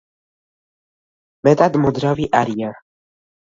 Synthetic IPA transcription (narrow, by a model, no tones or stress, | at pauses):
mɛd̪ad̪mɔd̪ɾaviʔaɾija